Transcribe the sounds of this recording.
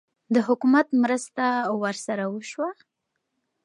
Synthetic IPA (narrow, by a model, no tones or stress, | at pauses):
d̪əɦʊkumat̪mɾəst̪awəɾsaɾawəʃwa